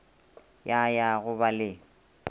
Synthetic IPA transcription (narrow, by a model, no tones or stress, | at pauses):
jajaɣʊbalɪ